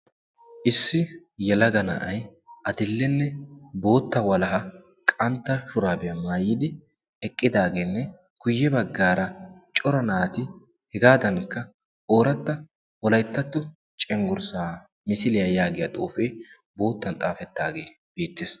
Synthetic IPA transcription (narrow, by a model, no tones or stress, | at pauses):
ʔɪsːɪ | jɛlɐɡɐnɐ̰ʔɐjʔɐd̪ɪlːɛnːɛbo̞ːt̪ːɐwɐlɐɦɐ | kʼɐnt̪ːɐʃʊɾaːbɛjɐmaːjɪd̪ɪ | ɛkʼːɪd̪aːɡe̞ːnːɛ | ɡ̥ʊjːɛbɐɡːaːɾɐt͡ʃʼɔɾɐnaːt̪ɪ | hɛɡaːd̪ɐŋkːɐ | o̞ːɾɐt̪ːɐ | wɔlɐjt̪ːɐt̪ːʊ | t͡ʃʼɛŋɡʊɾsaː | mɪsɪlɪjɐjaːɡɪjɐt̪ʼoːfeː | bo̞ːt̪ːɐnt̪ʼaːfɛt̪ːaːɡeː | beːt̪ːeːs